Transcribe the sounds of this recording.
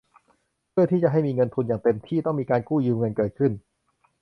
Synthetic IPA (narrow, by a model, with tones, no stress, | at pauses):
pʰɯ˥˩ɐt̪ʰiː˥˩t͡ɕa˨˩ʔɦa˥˩jmiː˧ŋɤ˧nt̪ʰu˧njaː˨˩ŋt̪e˧mt̪ʰiː˥˩t̪ɔ˥˩ŋmiː˧kaː˧nkuː˥˩jɯː˧mŋɤ˧nkɤː˨˩t̪̚kʰɯ˥˩n